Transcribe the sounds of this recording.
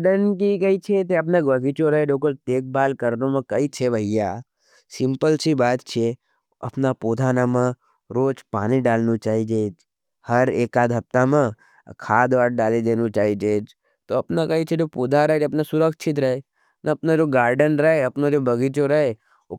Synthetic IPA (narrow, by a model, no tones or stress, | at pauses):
ɖənkikɐit͡ʃʰet̪eɐp̬naɡbɐɡit͡ʃoɾɐɦebekolt̪eːk̚baːlkɐɾnomẽkɐit͡ʃʰebʱɐija | sɪ̃mpəlsibaːt̪t͡ʃʰe | ɐ̰pnapoːd̪ʱaːnamə̃ | ɾoːt͡ʃpaːniɖaːlnut͡ʃaːɦid͡ʒeːd͡ʒ | hɐɾeːkaːd̪ʱɐp̚t̪amẽ | kʰaːd̪ʋaːʈ̚ɖaːled̪eːnut͡ʃaːɦid͡ʒeːd͡ʒ | t̪oɐpnakɐit͡ʃʰed͡ʒoːpuːd̪ʱaɾɐɦed͡ʒɐpnasʊɾəkʃʰɪt̪ɾɐɦe | naɐpnad͡ʒoːɡaːɾɖənɾɐɦeɐpnad͡ʒoːbʱɐɡit͡ʃoɾɐɦe | o